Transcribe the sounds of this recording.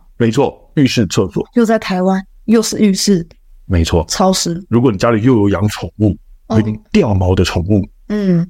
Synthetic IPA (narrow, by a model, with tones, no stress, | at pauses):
me˧˥ɪt͡sʰwɔ˥˩ | y˥˧ʂɻ̩˥˧t͡sʰɤ˥˧fɔ̰˨˩jo˥˧ʊt͡sa˥˩ɪt̪ʰa˧˥ɪwa˥n | jo˥˧ʊʂɻ̩˥˧y˥˧ʂɻ̩˥˩ | me˧˥ɪt͡sʰwɔ˥˩t͡sʰɑ˥ʊʂɻ̩˧˥ɻu˧˥kwɔ˧˦ni˨˩t͡ɕja˥li˨˩˦jo˥˩ʊjo˧˥ʊjɑ˧˥ŋʈ͡ʂʰʊ˨˩˦ŋu˥˩˧t̪i˥˧ŋt̪jɛ˥˩nmɑ˧˥ʊd̪ə˧ʈ͡ʂʰʊ˨˩ŋu˥˩ | n̩˥˩